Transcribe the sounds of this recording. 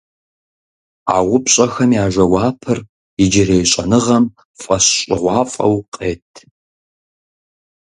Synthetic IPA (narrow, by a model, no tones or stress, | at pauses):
a̰ːʁʷʊpɕʼɐxɐmijaːʒʷɐwɑːpʰɨr | ɪd͡ʒɪɾejɕʼɐnɨʁɐm | fʼɐɕɕʼɪʁʷɑːfʼɐ̰wqʼeːtʰ